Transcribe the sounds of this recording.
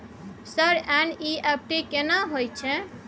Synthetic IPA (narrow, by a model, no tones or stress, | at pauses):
səɾɛniɛp̚ʈekenaɦojt͡ʃʰɛ̃